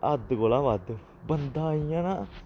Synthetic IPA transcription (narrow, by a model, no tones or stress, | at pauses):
əd̪ɡoːlaːʋad̪ | bənd̪ãːijãːnãː